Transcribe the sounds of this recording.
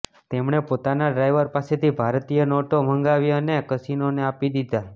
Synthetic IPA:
t̪emɳepot̪anaɖɾajʋəɾpaset̪ʰibʱaɾt̪ijənoʈom̤əŋɡaʋjəənekəsinoneapid̪id̪a

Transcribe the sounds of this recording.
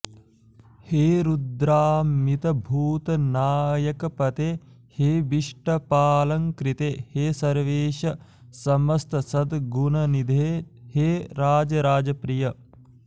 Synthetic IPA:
heːɾud̪ɾaːmit̪ɐbʱuːt̪ɐnaːjɐkɐpɐt̪eː | heːbiʂʈɐpaːlɐŋkɾit̪eheːsɐɾʋeːʃɐ | sɐmɐst̪ɐsɐd̪ɡunɐnid̪ʱeːheːɾaːd͡ʒɐɾaːd͡ʒɐpɾijɐ

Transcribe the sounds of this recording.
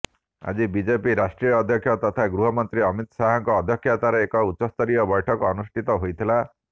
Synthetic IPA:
a̰d͡ʒibid͡ʒepiɾasʈɾijɔːd̪ʱjɔkʰjɔt̪ɔt̪ʰaɡɾuɦɔmɔnt̪ɾiɔmit̪ɔsaɦɔŋkɔːd̪ʱjɔkʰjat̪aɾeekɔutːɔst̪ɔɾijɔbɔjʈʰɔkɔɔnusʈʰit̪ɔɦojt̪ʰila

